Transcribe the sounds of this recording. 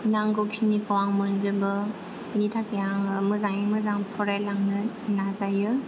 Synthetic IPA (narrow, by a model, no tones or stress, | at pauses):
naŋɡokʰinikawaŋmənzɯbɯ | initʰakʰejaŋɯmɯzaŋimɯzaŋpʰɔɾajlaŋnɯ | nazajɯ